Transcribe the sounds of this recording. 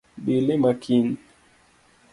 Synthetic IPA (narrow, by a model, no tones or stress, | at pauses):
ɓilemakʰin